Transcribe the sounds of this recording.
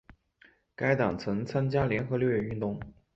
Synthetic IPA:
ka˥ɪt̪ɑ˨˩ŋt͡sʰɤ˧˥ŋt͡sʰa˥nt͡ɕja˥ljɛ˧˥nxɤ˧˥ljo˥˧ɥɛ˥˧y˥˧nt̪ʊ˥˩ŋ

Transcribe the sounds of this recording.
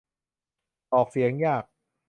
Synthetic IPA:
ʔɔː˨˩k̚si˨˩˦əŋjaː˥˩k̚

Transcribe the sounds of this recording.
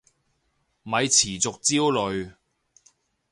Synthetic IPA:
mɐ˨˧jt͡sʰiː˨˩t͡sʊ˨k̚t͡siː˥wlɵ˨˧ɥ

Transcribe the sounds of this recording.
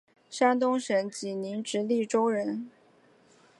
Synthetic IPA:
ʂa˥nt̪ʊ˥ŋʂə˧˥ŋt͡ɕi˨˩ni˧˥nʈ͡ʂɻ̩˧˥li˥˩ʈ͡ʂo˥ʊɻə˧˥n

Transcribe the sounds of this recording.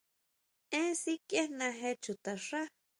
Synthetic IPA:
ʔẽ˦si˦kje˦hnãɦe˦t͡ʃut̪aʂa

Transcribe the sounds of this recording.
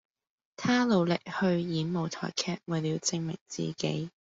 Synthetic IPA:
t̪ʰaː˥lo˨˧wlɪ˨k̚hɵ˧ɥjiː˨˥nmo˨˩wt̪ʰɔ̰ː˨˩jkʰɛː˧t̚wuː˨˩liː˨˧wt͡sɪ˧ŋmɪ˨k̚t͡sḭː˨ke˨˥j

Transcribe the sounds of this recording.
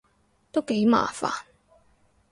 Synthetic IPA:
t̪o˥wke˨˥jma̰ː˨fa̰ː˨n

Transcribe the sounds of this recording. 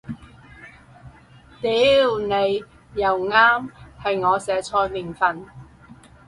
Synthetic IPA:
t̪iː˨˥wne˨˧jː | ɐ˨˩wŋaː˥mhɐ˨jŋɔː˨˧sɛː˨˥t͡sʰɔː˧jmi˨˩ŋfɐ˨n

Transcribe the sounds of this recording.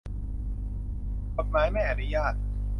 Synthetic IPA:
ko˨˩t̪̚maː˨˦jma˥˩jʔa˨˧nu˦jaː˥˩t̪̚

